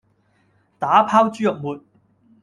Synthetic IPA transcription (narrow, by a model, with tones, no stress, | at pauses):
t̪aː˨˥pʰaː˥wt͡ʃyː˥jœː˨k̚muː˨t̚